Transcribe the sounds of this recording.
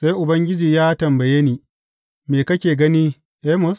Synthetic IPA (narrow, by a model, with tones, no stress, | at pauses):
sa˦jʔʊ˨bɐ˦ŋɡʲɪ˦d͡ʒiː˨jaː˦tɐ˨mbɐ˨je˦niː˨ | meː˨kɐ˦kʲeː˨ɡɐ˦niː˦ | ʔe˦mʊ˦s